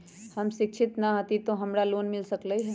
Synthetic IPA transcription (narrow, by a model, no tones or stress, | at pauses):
hɐmʃɪkʃʰɪt̪nɐɦɐt̪it̪oɦɐmɾaloːnmɪlsəkləiɦɛ